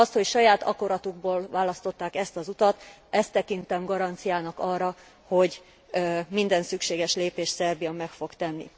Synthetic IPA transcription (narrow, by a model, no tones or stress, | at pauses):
ɒst̪ho̞cʃɒjaːt̪ɒ̰ko̞ɾɒt̪uɡ̚boːlvaːlɒst̪o̞t̪ːaːkɛst̪ɒzut̪ɒt̪ | ɛst̪ːɛkint̪ɛmɡɒɾɒnt̪sijaːnɒkɒrːɒ | ho̞ɟ | mind̪ɛnsykʃeːɡɛʃleːpeːʃsɛrbijɒmɛkfo̞kt̪ɛnːḭ